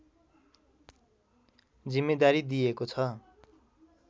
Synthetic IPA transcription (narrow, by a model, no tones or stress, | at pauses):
d͡zimːed̪aɾid̪ijekot͡sʰʌ